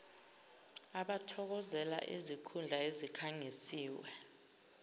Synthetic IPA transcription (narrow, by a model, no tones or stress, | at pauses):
aɓatʰɔk̬ɔzɛla̰ʔḭzikʰund͡ɮʱaezikʰaŋisiːwɛ